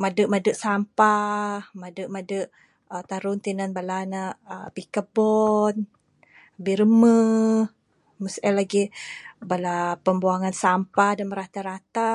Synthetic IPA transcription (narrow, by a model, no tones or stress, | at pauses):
madəʔmadəʔsampamadəʔmadəʔ | ət̪aɾunt̪inanbalanaʔpikəbɔn | biɾəmə | məsʔɛlaɡibalapəmbuaŋansampahdanməɾat̪aɾat̪a